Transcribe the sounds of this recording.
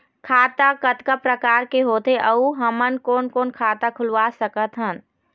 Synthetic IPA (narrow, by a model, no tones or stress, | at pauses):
kʰaːt̪akət̪kəpɾəkaːɾkeɦoːt̪eʔəuɦəmənkoːnkoːnkʰaːt̪akʰʊlʋasəkət̪ɦən